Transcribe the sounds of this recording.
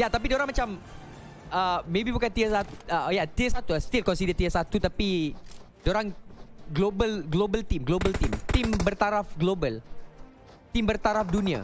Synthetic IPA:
jat̪ap̬idoɾaŋmat͡ʃam | əmebibukant̪iəsat̪uəjat̪iəsat̪ulast̪ilkɔ̃nsidət̪iəsat̪ut̪api | doɾaŋɡlobəlɡlobəlt̪imɡlobəlt̪imt̪imbərt̪aɾafɡlobəl | t̪imbərt̪aɾafdunia̰

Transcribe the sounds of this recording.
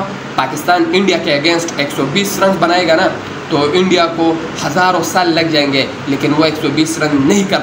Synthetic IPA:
paːkɪst̪aːnɪ̃ɳɖijakeɐɡẽːnsʈeːksɔbiːsɾɐ̃ŋɡbɐnaːeɡana | t̪oɪ̃ɳɖijako | hɐzaːɾõsaːlːɐɡ̚d͡ʒaːẽŋɡe | leːkɪnʋoeːksɔbiːsɾɐ̃ŋɡnɐɦĩkɐ

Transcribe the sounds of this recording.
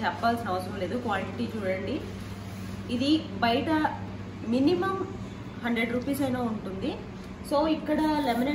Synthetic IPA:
t͡ʃɛpːaːlsinɐʋɐsɐɾɐmle̞ːd̪ukʋaːlʈiʈiːt͡ʃuːɽɐɳɖi | d̪ibɐjɐʈɐ | minimɐm | hɐɳɖɾeɖɾuːpiːsɐjnaːuɳʈund̪i | soːikːɐɽɐlemine

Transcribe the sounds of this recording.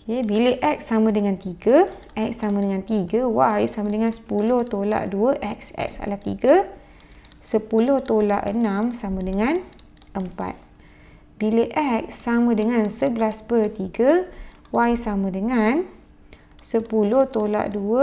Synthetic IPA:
jebiləʔɛk̚samə̃dəŋant̪iɡə | ʔɛk̚samãdəŋãnt̪iɡəwajsamə̃dəŋansə̥puloht̪ola̰ʔduəʔɛk̚sɛ̰k̚sa̰laht̪ḭɡə | səpuloht̪ola̰ʔə̰nãmsamə̃dəŋan | ʔəmpa̰t̪̚ | biləʔɛk̚samə̃dəŋãnsəblasbət̪iɡə | wajsamə̃dəŋan | səpuloht̪ola̰ʔduə

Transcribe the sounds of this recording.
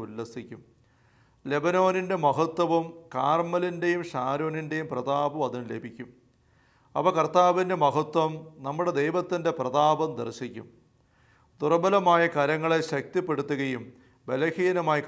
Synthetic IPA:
ulːɐsikʲːum | le̞bɐno̞ːninde̞mɐɦɐt̪ːwɐʋɐmkaːrmɐlinde̞jumɕaːɾo̞ːninde̞jumprɐd̪aːbɐmɐðinle̞bʱikʲːum | ɐ̰pɐkɐrt̪aːʋinde̞mɐɦɐt̪ːwɐmnɐmːuɽe̞d̪e̞jʋɐt̪ːinde̞prɐd̪aːbɐmd̪ɐrɕikʲːṵm | d̪urɐbɐlɐmaːjɐkɐɾɐŋːɐɭeɕɐk̚t̪ipːe̞ɽut̪ːuɣɐjum | be̞lɐɣijɐnɐmaːjik

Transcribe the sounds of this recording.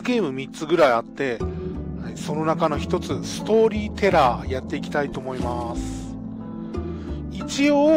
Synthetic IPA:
ɡʲe̞ːmɯ̟mʲitt͡sɨɡɯ̟ɾaiat̪ːe̞ | so̞no̞nakano̞çi̥t̪o̞t͡sɨsɨ̥t̪o̞ːɾʲiːt̪e̞ɾajat̪ːe̞ikʲi̥t̪ait̪o̞ːmo̞imasɨ̥ | it͡ɕioː

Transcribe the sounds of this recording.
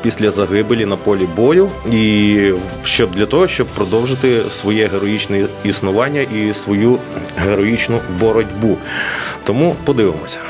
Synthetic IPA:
pʲisʲlʲɐzɐɦɪbelʲinɐpɔlʲibɔjʊi | ʃt͡ʃɔb̚d̪lʲɐt̪ɔɦɔʃt͡ʃɔb̚pɾɔd̪ɔwʒɪt̪ɪsʋɔjɛɦeɾɔjit͡ʃnɛisnʊʋɑnʲːɐʔisʋɔju | ɦeɾɔjit͡ʃnʊbɔɾɔdʲbut̪ɔmupɔd̪ɪʋɪmɔsʲɐ̥

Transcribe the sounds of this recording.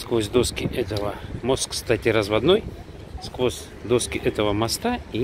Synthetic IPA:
skvosʲd̪o̞skʲɪʔɛt̪əvəmo̞st̪kst̪atʲɪɾəzvɐd̪noj | skvosʲ | d̪oskʲɪʔɛt̪əvəmast̪ai

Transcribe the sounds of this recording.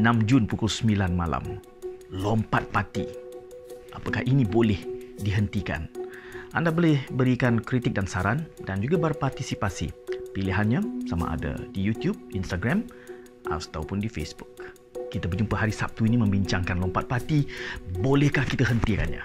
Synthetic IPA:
ənãmd͡ʒʊnpukʊlsəmilanmala̰m | lɔmpat̪̚pat̪i | ʔapakahinibolɛhdiɦənt̪ika̰nʔa̰ndabolɛhbəɾikankɾit̪ɪk̚dansaɾandand͡ʒuɡabərpart̪isipasḭpiliɦanɲasama̰ʔa̰da̰dijut̪jub̚inst̪aɡɾam | ʔa̰t̪awpʊndifḛsbukː | it̪abəd͡ʒumpəɦaɾisap̚t̪uinimə̃mbiɲt͡ʃaŋkanlɔmpat̪̚pat̪ibolɛhkahkit̪aɦənt̪ika̰nɲa̰

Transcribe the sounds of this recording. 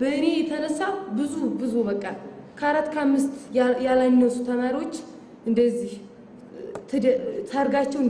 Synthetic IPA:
bəɨne̞jɛt̪ʰənəsːawbɨzubɨzubəkʼːakʰəaɾat̪ːkʰəamːɨst̪jalajnːəsut̪ʰəmaɾiwo̞t͡ʃː | ʔɨnd̪əzːih̪ʰ | t̪ʰaɾɡat͡ʃːɛwɨn

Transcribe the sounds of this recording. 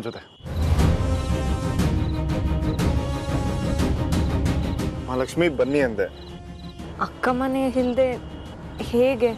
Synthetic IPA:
nd͡ʒot̪e | malɐkʂmibɐnːiɐnt̪e | ɐkːɐmɐneɦild̪e | heːɡe

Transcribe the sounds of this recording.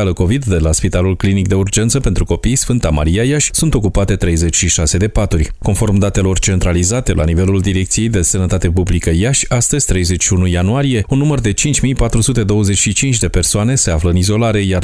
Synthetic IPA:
aləko̞vid̪ːe̞laspit̪alulklinik̚d̪e̞urd͡ʒe̞nt̪səpe̞nt̪ɾuko̞pijsfɨnt̪ama̰ɾiajaʃʲsunt̪o̞kupat̪e̞t̪ɾe̞jze̞t͡ʃʲʃiʃase̞d̪e̞pat̪urʲko̞nfo̞rmd̪at̪e̞lo̞rt͡ʃe̞nt̪ɾalizat̪e̞lʔa̰nive̞luld̪iɾe̞k̚t̪sije̞jd̪e̞sənət̪at̪e̞publikəjaʃʲast̪əzʲt̪ɾe̞jze̞t͡ʃʃiunujanuaɾije̞unːumərd̪e̞t͡ʃint͡ʃʲmijpat̪ɾusut̪e̞d̪o̞wəze̞t͡ʃʃit͡ʃint͡ʃʲd̪e̞pe̞rsoane̞se̞afləɨnizo̞laɾe̞jar

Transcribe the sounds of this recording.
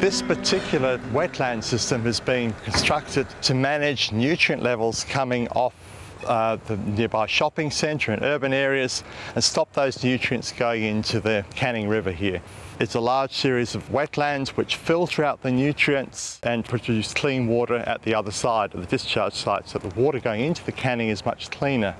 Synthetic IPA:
ðɪspə˞tʰɪkʰjl̩ˠə˞wɛtʰˡlæ̃nd̥sɪstɨ̃mɨzbĩnkʰɨ̃nstɹ̥ʌk̚tɨd̚tʰɨmænɪd͡ʒnjʉt͡ʃɹ̥iɨ̃nʔlʔɛvl̩ˠz̥kʰʌmɪ̃ŋɔf | ðɨnɪɹbaɪʃɑpɪ̃ŋsɛ̃ntə˞ɨ̃nʔɜ˞bɨ̃nɛɹiɨz̥ɨ̃nstɑp̚ðoʊznjʉt͡ʃɹ̥iɨ̰̃ntsɡ̥oʊɪ̃ŋɪ̃ntʰʉðɨkʰæñɪ̃ŋɹɪvə˞ɦiɹ | ɨtsəlɑɹd̥ʒ̥sɪɹizʌvwɛtʰˡlæ̃ndzwɨt͡ʃfɪlˠθɹʉaʊt̪̚ðɨnjʉt͡ʃɹ̥iɨ̃ntsɨ̃npʰɹ̥ɨ̥ʉskʰl̥ĩnwɔɾə˞ʔɨ̰t̪̚ðiʌðə˞saɪɾðɨdɨst͡ʃʰɑɹd̥ʒ̥saɪdsət̪̚ðəwɔɾə˞ɡoʊɪ̃ŋɪ̃ntʉðɨkʰænɪ̃ŋɨzmʌ̰t͡ʃkʰl̥ĩnə˞

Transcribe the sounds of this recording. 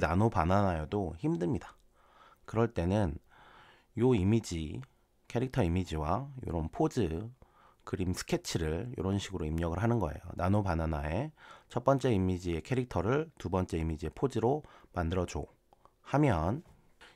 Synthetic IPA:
nanopananajodoçimdɯmɲidḁ | kɯɾʌɭt͈e̞nɯn | joimid͡ʑi | kʰe̞ɾik̚tʰʌimid͡ʑiwajo̰ɾonpʰod͡ʑɯ | kɯɾimsʰɯ̥kʰe̞t͡ɕʰiɾɯɭjo̰ɾonɕʰiɡɯɾoimɲʌɡɯɭɦanɯnɡʌe̞̰jo̰nanopananae̞t͡ɕʰʌt̚p͈ʌnt͡ɕ͈e̞imid͡ʑie̞kʰe̞ɾik̚tʰʌɾɯɭtubʌnt͡ɕ͈e̞imid͡ʑie̞pʰod͡ʑiɾomandɯɾʌd͡ʑo | hamjʌn

